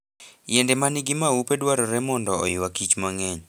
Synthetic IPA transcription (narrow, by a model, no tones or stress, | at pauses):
jɛndɛmanɪɡɪmaupedwaɾɔɾɛmɔndɔ̰ːjɪwakit͡ʃmaŋɛɲ